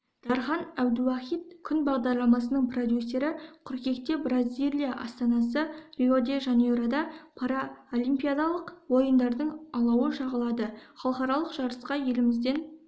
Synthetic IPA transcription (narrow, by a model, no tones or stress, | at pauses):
d̪̥ɑɾχɑnæwd̪ʊwɑχijt̪̚kʲʰʏnbɑʁd̪ɑɾlˠɑmɑsənəɴpʰrod̪ʲjusːe̞ɾɪqʰʊɾkʲe̞kt̪e̞brazʲilʲˠijaʔɑst̪ɑnɑs̬ərʲiod̪e̞ʒɑnuɾad̪ɑpʰɑɾaolˠijmpʲijad̪ɑlˠəqwo̞jənd̪ɑɾd̪əɴɑlˠɑwəʃɑʁəlˠɑd̪əχɑlˠqɑɾɑlˠəqʒ̥ɑɾəsqɑje̞lɪmɪzd̪e̞n